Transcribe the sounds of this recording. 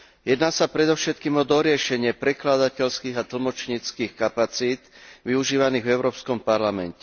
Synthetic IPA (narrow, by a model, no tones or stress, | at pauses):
jɛd̪naːsapɾɛd̪ɔʊʃɛt̪̚kiːmɔd̪ɔɾɪɛʃɛɲɪɛpɾɛklad̪acɛʎskiːɣat̪l̩mɔt͡ʃɲiːt͡skiːxkapat͡siːd̪ʋiuʒiːʋaniːɣvɛʊɾɔːpskɔmpaɾlamɛ̰ncɛ